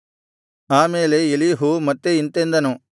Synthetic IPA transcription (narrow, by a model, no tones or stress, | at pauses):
aːmeːleeliɦumɐt̪ːeint̪end̪ɐnu